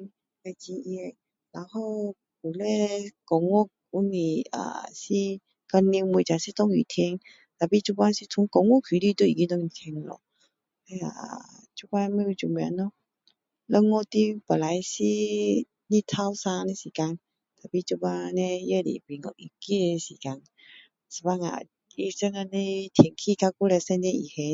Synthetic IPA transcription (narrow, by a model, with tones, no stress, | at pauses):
a˨˩t͡ɕi˧i˧e˧ | la˨˦who˧ | pu˨˩le˦kɔ˨˧ŋŋɔ˦ | u˧˦ni˨˩a̰˨si˧ | kə˧ni˧mu˨t͡ɕa˨si˦t̪ɔ˦˧ŋḭ˨t̪ʰi˧ŋ | t̪a˨˩pi˧t͡ɕu˥˧pa˦si˧t̪ʰu˧˦kɔ˨˧ŋːu˦˨kʰi˨li˥˧t̪u˧˦˨i˨ki˧˦t̪ɔ˥˧i˨˩t̪ʰi˧ŋ˧lɔ̰˨ | he˧˦a̰˨ | t͡ɕu˥˧pa˦˧˦mẽ˦u˧t͡ɕu˧˨˩m˧˦nɔ˧˦ | lə˦˧ŋːɔ˥˧˨t̪i˦pə˨˩nla˨˦jsi˧ | nĩ˦˧t̪ʰa˧˦wsa˧ne˧˦si˨˩ka˧n | t̪a˨˩pi˧˨t͡ɕu˦˧ba˧nẽ˧je˦˨dḭ˨pi˨ŋɔ˧˨ʔʔi˨˩ki˦˨le˧si˨˩ka˧n | si̥˨˧ba˧ŋa̰˨ | i˧sə˧ŋa˧ne˧t̪ʰi˧ŋkʰi˧kʰa˧ku˦le˧sɛ˥˧nẽ˧ḭ˨he˧